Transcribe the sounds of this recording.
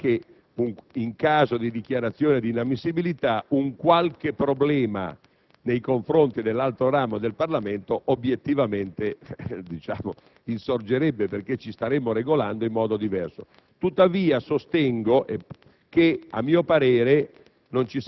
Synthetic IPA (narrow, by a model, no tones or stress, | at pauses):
ke | uiŋkaːzod̪id̪ik̟jaɾat̪sːjoːned̪inamːisːibilit̪auŋkwalk̟epːɾoblɛːma̰ | nejkoɱfɾont̪id̪elːalt̪ɾoɾaːmod̪elparlament̪oʔobjet̪ːivament̪ed̪it͡ʃa̰ːmo | insord͡ʒeɾɛbːeperk̟et͡ʃːist̪aɾemːoɾeɡoland̪oimːɔːd̪od̪ivɛrso̰ | t̪ut̪ːaviːasost̪ɛŋɡoʔe | kea̰mːiːopaɾeːɾe | nont͡ʃis